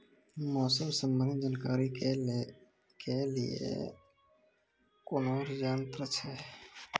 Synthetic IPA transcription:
mɔːsəmsəmbənd͡ʒaːnkaːɾi | kelḭḛ | kʊnoːɾd͡ʒaːnt̪ɾət͡ʃʰɛː

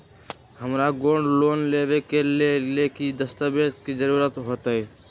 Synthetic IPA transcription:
həmɾaɡoɳɖloːnlebekelelekid̪əst̪əbed̪kid͡ʒəɾuɾət̪ɦoːt̪əɛ

